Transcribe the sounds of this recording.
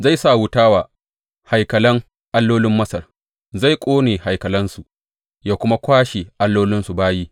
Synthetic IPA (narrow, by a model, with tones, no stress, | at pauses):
za˦˨jsa˦˨wʊ˦taː˦waː˨ | ha˨jkɐ˨lɐ˦ŋ | ʔa˦lːoː˦lɪ˦mːɐ˦sɐ˨r | za˦˨jkʷʼoː˦neː˨ha˨jkɐ˨lɐ˦nsu˨ | jaː˦kʷʊ˦ma˦kʷaː˦ʃe˨ʔa˦lːoː˦lɪ˦nsu˨baː˦jiː˦